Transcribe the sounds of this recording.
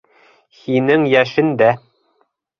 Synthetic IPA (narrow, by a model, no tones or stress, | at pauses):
hinɘŋjæʃɘnd̪æ